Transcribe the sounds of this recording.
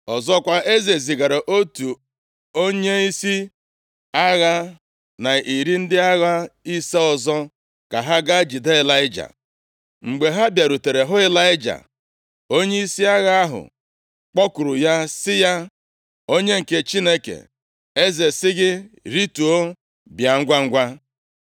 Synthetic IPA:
ɔ˨zɔ˦kʷa˦ʔe˦ze˨zi˨ɡa˨ɾa˨ʔo˦tu˨ | o˦ɲe˦i˦si˦ | a˦ɣa˦ | na˨i˨ɾi˦n̩˦dɪ˦a˦ɣa˦i˦se˦ɔ˨zɔ˦ | ka˨ɦa˦ɡa˦d͡ʒi˨de˦ɪ˨la˦ɪ˦d͡ʒa̰˨ | ŋ͡m̩˨ɡ͡be˨ɦa˦bja˨ɾu˨te˨ɾe˨ɦʊ˦ɪ˦la˦ɪ˦d͡ʒa̰˨ | o˦ɲe˦i˦si˦a˦ɣa˦a˦ɦʊ̰˨ | k͡pɔ˦kʊ˨ɾʊ˨ja˦sɪ˦ja˦ | o˦ɲe˦ŋ̩˨ke˦t͡ʃi˦ne˦kḛ˨ | e˦ze˨sɪ˦ɣɪ˦ɾi˦tu˨o˦ | bja˨ŋ̩˦ɡʷa˦ŋ̩˦ɡʷa˦

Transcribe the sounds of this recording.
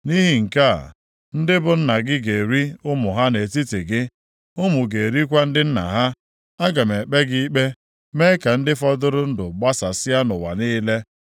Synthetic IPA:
ni˦ɦi˨ŋ̩˨ka̰˦˨ | n̩˦dɪ˦bʊ˨n̩˦na˨ɡɪ˦ɡe˨ɾi˦ʊ˦mʊ˨ɦa˦ne˨ti˦ti˨ɡɪ˦ | ʊ˦mu˨ɡe˨ɾi˦kʷa˦n̩˦dɪ˦n̩˦na̰˨ɦa˦ | a˦ɡa˨me˨k͡pe˦ɡi˦k͡pe˦ | me˦ka˨n̩˦dɪ˦fɔ˦dʊ˦ɾʊ˦n̩˦dʊ˨ɡ͡ba˦sa˨sɪ˦a˦nʊ˨wa̰˨niː˦le˦

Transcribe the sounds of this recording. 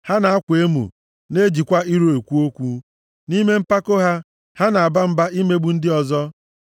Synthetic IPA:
ha˦na˨a˦kʷe˦mṵ˨ | ne˦d͡ʒi˨kʷa˦i˦ɾo˨e˨kʷu˦o˦kʷu˦ | ni˦me˦m̩˦pa˦ko˦ɦa˦ | ha˦na˨a˨ba˦m̩˦ba˦i˦me˦ɡ͡bu˨n̩˦dɪ˦ɔ˨zɔ˦

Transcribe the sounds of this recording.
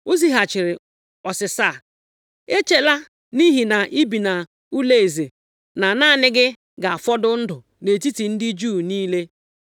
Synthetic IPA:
o˦zi˦ɦa˨t͡ʃɪ˨ɾɪ˨ | ɔ˨sɪ˨sa˦˨ | e˦t͡ʃe˦la˦ | ni˦ɦi˨na˨ʔi˦bi˨na˨ | u˦le˦˨e˨ze˨ | na˨naː˦˨nɪ˦ɡɪ˦ | ɡa˨a˨fɔ˦dʊ˦n̩˦dʊ˨ | ne˨ti˦ti˨n̩˦dɪ˦d͡ʒuː˦˨niː˦le˦

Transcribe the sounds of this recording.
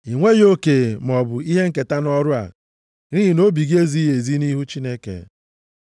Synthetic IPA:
i˨ŋʷe˦jo˦ke˨m˨ɔ˨bʊ˨i˦ɦe˦ŋ̩˦ke˨ta˦nɔ˦ɾʊ˦a̰˨ | ɾi˦ɦi˨no˦bi˨ɡe˦zi˦je˨zi˦ni˦ɦu˦t͡ʃi˦ne˦kḛ˨

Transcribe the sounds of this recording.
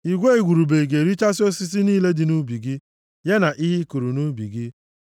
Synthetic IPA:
i˨ɡʷe˦e˨ɡʷu˨ɾu˨be˨ɡe˨ɾi˦t͡ʃa˦si˦o˦si˦s̬i˦niː˦le˦dɪ˨nu˦bi˨ɡi˦ | je˦na˨ʔi˦ɦi˦ku˨ɾu˨nu˦bi˨ɡɪ˦

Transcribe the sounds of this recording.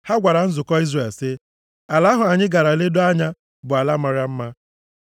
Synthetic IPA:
ha˦ɡʷa˨ɾa˨n̩˦zʊ˨kɔ˦i˦zre˨lsɪ˦ | a˨la˦ɦʊ˨a˨ɲɪ˦ɡa˨ɾa˨le˦do˦a˦ɲa˦ | bʊ˨a˨la˦ma˨ɾja˦m̩˦ma˦

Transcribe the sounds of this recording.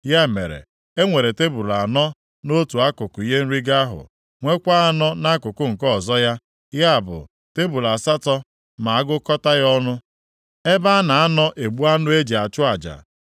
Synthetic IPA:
ja˦mḛ˨ɾḛ˨ | e˦ŋʷe˨ɾe˨te˦bu˨ɾa˨nɔ˦ | no˦tu˨a˦kʊ˨kʊ˨i˦ɦe˦n̩˦ɾi˦ɡa˦a˦ɦʊ̰˨ | ŋʷe˦kʷa˦a˦nɔ˦na˦kʊ˨kʊ˦ŋ̩˨kɔ˦˨zɔ˦ja˦ | ja˦a˨bʊ̰˨ | te˦bu˨la˨sa˦tɔ˦ | ma˨a˦ɡʊ˦kɔ˦ta˦ɣɔ˦nʊ˦ | e˦ba˦a˦na˨a˦nɔ˦ʔe˨ɡ͡bu˦a˦nʊ˦e˦d͡ʒi˨a˨t͡ʃʊ˦a˨d͡ʒa̰˨

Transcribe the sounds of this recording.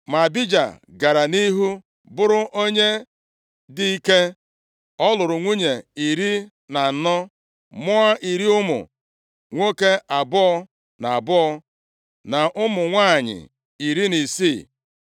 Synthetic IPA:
ma˨bi˦d͡ʒa̰˨ | ɡa˨ɾa˨ni˦ɦu˦ | bʊ˦ɾʊ˦ʔo˦ɲe˦ | di˨i˦ke˦ | ɔ˦lʊ˨ɾʊ˨ŋʷu˦ɲe˨i˨ɾi˦ | na˨˦nɔ˦ | mʊ˦a˦i˨ɾi˦ʊ˦mʊ̰˨ | ŋʷo˦ke˦ʔa˨bʊ˦ɔ˦ | na˨a˨bʊ˦ɔ˦ | na˨ʔʊ˦mʊ˨ŋʷa˦˨ɲɪ̰˨ | i˨ɾi˦ni˨siː˦˨

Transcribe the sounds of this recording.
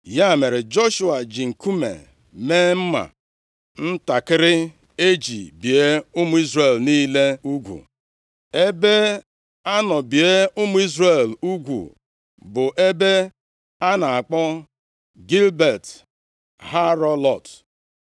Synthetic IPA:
ja˦˨me˨ɾɪ˨d͡ʒɔ˦ʃu˦a˨d͡ʒi˨ŋ̩˨ku˦mḛ˨ | meː˦m̩˦ma̰˨ | n̩˦ta˨kɪ˦ɾɪ˦ | e˦d͡ʒḭ˨bi˨e˦ʊ˦mʊ˦i˦zɾe˨lniː˦le˦u˦ɡʷṵ˨ | e˦be˦ | a˦nɔ˨bi˨e˦ʊ˦mʊ˦i˦zɾe˦˨lu˦ɡʷṵ˨ | bʊ˨ʔe˦be˦ | a˦na˨a˨k͡pɔ˦ | ɡi˦lbe˨t | ha˦ɾɔ˦lɔ˦˨t

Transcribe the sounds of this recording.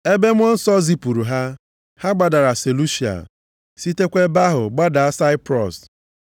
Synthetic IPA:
e˦be˦m̩˦ɔ˦n̩˦sɔ˦zi˦pu˨ɾu˨ɦa˦ | ha˦ɡ͡ba˨da˨ɾa˨se˨lu˦ʃi˨a̰˨ | si˦te˦kʷe˦ba˦ɦʊ̰˨ɡ͡ba˦da˨a˦sa˦ɪ˦pɾɔ˨s

